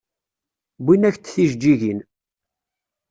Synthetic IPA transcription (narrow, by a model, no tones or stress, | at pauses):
bʷinæçt̪θiʒd͡ʒiʝin